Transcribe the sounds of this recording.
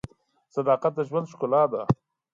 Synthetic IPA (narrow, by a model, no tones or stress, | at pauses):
sɐd̪ɑːqat̪̚d̪əʒwand̪ʃkʊlɑːd̪a̰